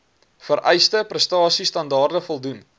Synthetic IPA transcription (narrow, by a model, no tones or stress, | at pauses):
fəɾʔɛjstəprəstɑːsistɐndɑːrdəfɔlˠdun